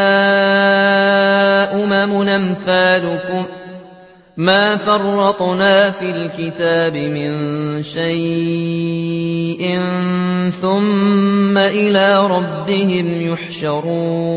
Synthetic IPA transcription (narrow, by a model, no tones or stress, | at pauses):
a | ʔʊmamʊnamθaːlʊkʊm | aːfɑrˤːɑt̪ˤnaːfiːlkɪt̪aːbɪmɪnʃaj | ʔɪnθʊmːaʔɪlaːɾˤɑbːɪhɪmjʊħʃɑɾˤuː